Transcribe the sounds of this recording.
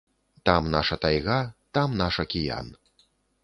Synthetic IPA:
t̪amnaʂɐt̪ajɣat̪amnaʂɐkʲija̰n

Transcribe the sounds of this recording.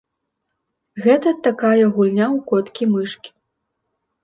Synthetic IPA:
ɣɛt̪ɐt̪akajɐɣulʲnʲawkɔt̪kʲimɨʂkʲi̥

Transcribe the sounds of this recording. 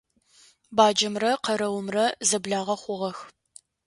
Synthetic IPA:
baːd͡ʒɐmrɐqɐɾɐwʊmrɐzɐbɮaːʁɐχʷʊʁɐx

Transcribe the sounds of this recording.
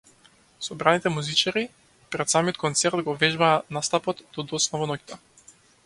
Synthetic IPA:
sɔbɾanit̪ɛmuzit͡ʃaɾi | pɾɛt̪samiɔt̪̚kɔnt̪sɛɾt̪ɡɔvɛʒbaːnast̪apɔt̪d̪̥ɔd̪ɔsnavɔnɔcʲt̪a

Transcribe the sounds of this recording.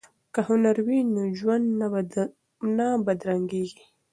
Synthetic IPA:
kahʊnaɾwinoʒwand̪ | nabad̪ɾaŋɡeɡi

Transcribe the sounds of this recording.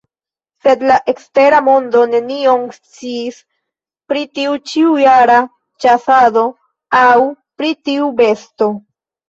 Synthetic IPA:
se̞d̪laʔe̞kste̞ɾamo̞ndo̞ne̞nio̞ŋst͡siːs | pɾitiut͡ʃiujaɾa | t͡ʃasado̞ | aw | pɾitiube̞sto̞

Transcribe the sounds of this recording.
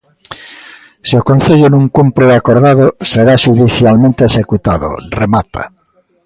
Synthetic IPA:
siokõn̟θeʎʊnũŋkumpɾʊakoɾðaðoseɾaʃuðiθjalmẽnt̪eesekut̪aðʊ̰remat̪a̰

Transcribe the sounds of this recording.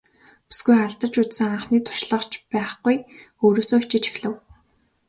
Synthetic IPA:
pi̥sɡujaɮt̪ə̆t͡ɕut͡s̪sɘ̆ŋaɴχniːt̪ʰʊ̥ʃɮə̆χt͡ɕpæːχɡuj | oːɾoːsoːt͡ɕɪ̆t͡ɕi̥xɮɘ̆w

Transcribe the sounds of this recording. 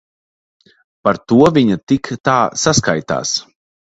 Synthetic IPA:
paɾt̪uɔviɲat̪ikt̪aːsaskajt̪a̰ːs

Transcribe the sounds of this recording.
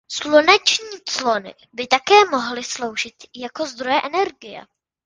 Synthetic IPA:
slonɛt͡ʃɲiːt͡slonɪ̰ | bɪt̪akɛːmoɦlɪslo̞wʒɪt̪jakozd̪ɾojɛʔɛnɛɾɡɪjɛ̰

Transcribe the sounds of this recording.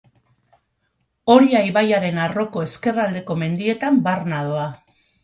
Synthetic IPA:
o̞ɾiajβajaɾe̞naro̞ko̞e̞ske̞rald̪e̞ko̞me̞nd̪ie̞t̪ambarnaðoa

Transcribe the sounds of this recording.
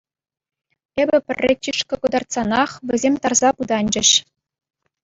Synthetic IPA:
ebʲɘ̆pʲɘ̆rʲːet͡ɕʲiʂkɤ̆kɤ̆d̪ɑrt̪sɑnɑχʋʲɘ̆zʲemʲt̪ɑrzɑpud̪ɑnʲd͡ʑɘ̆ɕ

